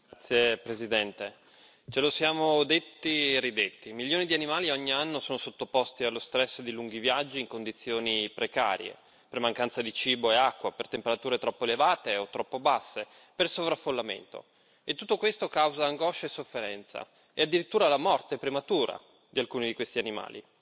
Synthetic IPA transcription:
at̪sːjepɾezid̪ɛnt̪e | t͡ʃelosjaːmod̪et̪ːirid̪et̪ːimiljoːnid̪ianimaːliɔɲːianːosoːnosot̪ːopost̪ialːost̪ɾɛsːd̪iluŋɡivjad͡ʒːiːŋkond̪it̪sːjoːnipɾeka̰ːɾjḛ | permaŋkant̪sad̪it͡ʃiːboeakːwapert̪empeɾat̪uːɾet̪ɾɔpːoelevaːt̪eot̪ːɾɔpːobasːe | persovɾafːolːamḛnt̪o̰ | et̪ːut̪ːokwest̪okawzaːŋɡɔʃaesːofːeɾɛnt̪sa̰ | ead̪ːiɾit̪ːuːɾalamɔrt̪epɾemat̪uːɾa̰ | d̪ialkuːnid̪ikwest̪ianima̰ːlḭ

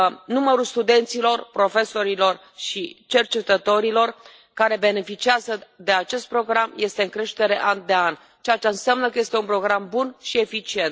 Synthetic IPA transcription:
numəɾulst̪ud̪e̞nt̪silo̞rpɾo̞fe̞so̞ɾilo̞r | ʃit͡ʃe̞rt͡ʃe̞t̪ət̪o̞ɾilo̞r | kaɾe̞be̞ne̞fit͡ʃiazəd̪e̞at͡ʃe̞st̪̚pɾo̞ɡɾamje̞st̪e̞ɨŋkɾe̞ʃt̪e̞ɾe̞ʔand̪e̞anʲ | t͡ʃeat͡ʃeɨnsamnəkəje̞st̪e̞unpɾo̞ɡɾambunʃie̞fit͡ʃie̞nt̪

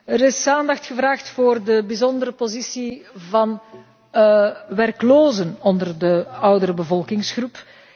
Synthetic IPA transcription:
əɾɪsaːndɑxtxəvraːxtfoːrdəbizɔndəɾəpozisivɑn | ʋɛrkloːzənɔndərdəʌwdəɾəbəvɔlˠkɪŋsxrup

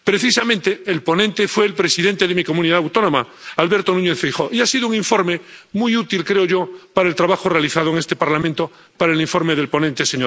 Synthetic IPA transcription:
pɾe̞θisamẽnt̪eːlpo̞nẽnt̪efweːlpɾesiðe̞nt̪eðemiko̞mũniðaawt̪o̞nõ̞ma | alβe̞ɾt̪onũɲeθfejxoʔiasiðouŋĩɱfo̞ɾmemujut̪ilkɾeoʝo̞paɾaelt̪ɾaβaxorealiθaðoeŋest̪e̞paɾlamẽnt̪o | paɾaeliɱfo̞ɾmeðe̞lpo̞nẽnt̪eseɲoɾ

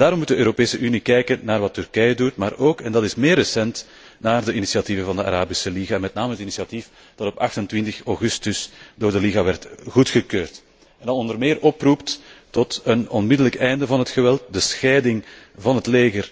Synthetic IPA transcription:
d̥aːɾɔmːut̚dəøːɾopeːsəʔynikɛjkənnaːrʋɑtːʏrkɛjədutmaːɾoːkɛndɑtɪsmeːrəsɛnt | naːrdəʔinisiativəvɑndəa̰ɾaːbisəliɣaːmɛtnaːməɦətinisiatif | d̥ɑtɔpɑ̰xtəntʋɪntəxoɣʏstʏsdoːrdəliɣaːʋɛrtɣutxəkøːrt | ɛndɑnɔndərmɪːɾʔɔprupttɔtənɔnmɪdələkɛjndəvɑnɦətxəʋɛlˠt̚dəsxɛːdɪŋvɑnɦətleːɣər

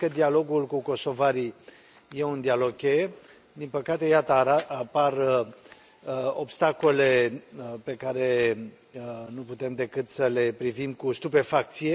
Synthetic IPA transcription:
kəd̪ialo̞ɡulkuko̞so̞vaɾi | je̞und̪ialo̞ɡ̚kʲej | d̪inpəkat̪e̞jat̪əɾaapar | o̞bst̪ako̞le̞pe̞kaɾe̞ | nuput̪e̞md̪e̞kɨt̪səle̞pɾivimkust̪upe̞fak̚t̪sije

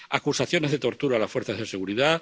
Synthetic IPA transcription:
akusaθjo̞ne̞zðe̞t̪o̞ɾt̪uɾaːlasfweɾθazðe̞se̞ɣuɾiða

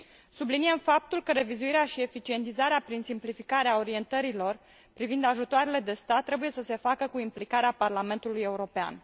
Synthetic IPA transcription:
subliniemfap̚t̪ulkəɾe̞vizuiɾeaʃie̞fit͡ʃie̞nt̪izaɾeapɾinsimplifikaɾeao̞ɾie̞nt̪əɾilo̞r | pɾivind̪aʒut̪oaɾele̞d̪e̞st̪at̪ːɾe̞buje̞səse̞fakəkuimplikaɾeaparlame̞nt̪uluje̞uɾo̞pea̰n

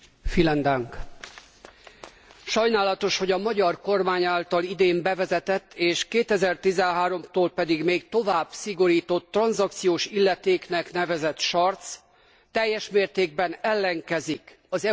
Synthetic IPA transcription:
filɛnd̪aŋk | ʃɒjnaːlɒt̪o̞ʃho̞ɟɒmɒɟɒrko̞rmaːɲaːlt̪ɒlid̪eːmbɛvɛzɛt̪ɛt̪ːeːʃkeːt̪ɛzɛrt̪izɛnɦaːɾo̞mt̪oːlpɛd̪iɡmeːɡt̪o̞vaːb̥siɡo̞ɾiːt̪o̞t̪ːrɒnzɒk̚t̪sijoːʃilːɛt̪eːknɛkn̪ɛvɛzɛt̪ʃɒrt̪sː | ɛjːɛʃmeːrt̪eːɡ̚bɛnɛlːɛŋkɛzik | ɒzɛ

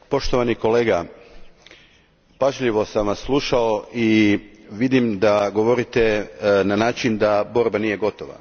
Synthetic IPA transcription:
po̞ʃt̪o̞ʋaniko̞leːɡa | paʒʎiʋo̞samʋasslˠuʃao̞ʔiʋid̪imd̪aɡoʋo̞ɾit̪enanaːt͡ʃind̪abo̞ɾbaniːje̞ɡo̞t̪oʋa̰

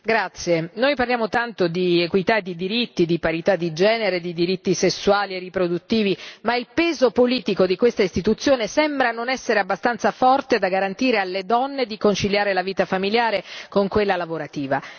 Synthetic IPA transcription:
ɡɾat̪sːjenojparljaːmot̪ant̪od̪iekwit̪ad̪id̪iɾit̪ːid̪ipaɾit̪ad̪ːid͡ʒɛːneɾed̪id̪iɾit̪ːisesːuwaːlieripɾod̪ut̪ːiːvimailpɛːzopoliːt̪ikod̪ikwest̪aist̪it̪ut̪sːjoːnesɛmbɾanonɛsːeɾeabːast̪ant̪safɔrt̪ed̪aɡaɾant̪iːɾealːed̪ɔnːed̪ikont͡ʃiljaːɾelaviːt̪afamiljaːɾekoŋkwelːalavoɾat̪iːva

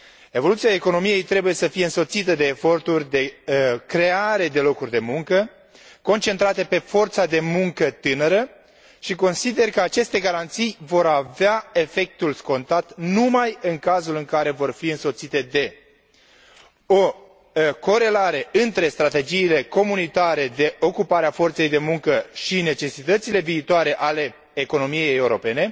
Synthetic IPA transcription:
e̞vo̞lut̪sijaeko̞no̞mije̞jt̪ɾe̞buje̞səfijeɨnso̞t̪sit̪əd̪e̞ːfo̞rt̪urʲd̪e̞kɾe̞aɾe̞d̪e̞lo̞kurʲd̪e̞muŋkə | ko̞nt͡ʃe̞nt̪ɾat̪e̞pe̞fo̞rt̪sad̪e̞muŋkət̪ɨnəɾə | ʃiko̞nsid̪e̞rkəat͡ʃe̞st̪e̞ɡaɾant̪sijvo̞ɾaveae̞fe̞k̚t̪ulsko̞nt̪at̪numajɨŋkazulɨŋkaɾe̞vo̞rfiɨnso̞t̪sit̪e̞d̪e̞ | o̞ | ko̞ɾe̞laɾe̞ɨnt̪ɾe̞st̪ɾat̪e̞d͡ʒiːle̞ko̞munit̪aɾe̞d̪e̞ʔo̞kupaɾeafo̞rt̪se̞jd̪e̞muŋkəʃine̞t͡ʃe̞sit̪ət̪sile̞viːt̪oaɾe̞ʔale̞ː | ko̞no̞mije̞jjeuɾo̞pe̞ne̞

